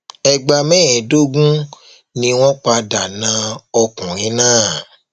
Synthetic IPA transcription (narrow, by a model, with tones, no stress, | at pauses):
ɛ˧ɡ͡ba˧mɛ̃˦ɛ˨do˦ɡũ˦ | nĩ˧w̃ɔ̃˦k͡pa˧da˨nã˨˦ɔ˧kũ˨ɾ̃ĩ˨˦nãː˦˨